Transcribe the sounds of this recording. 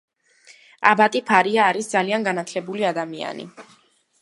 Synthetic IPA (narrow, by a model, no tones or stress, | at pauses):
a̰bat̪ʼipʰaɾiaːɾisd̪zalianɡanat̪ʰlɛbuliad̪amia̰nḭ